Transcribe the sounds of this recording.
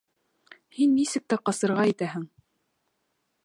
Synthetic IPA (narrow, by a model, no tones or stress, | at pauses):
hinːisɘk̚t̪æqɑsɤ̆ɾʁɑit̪æɦɘŋ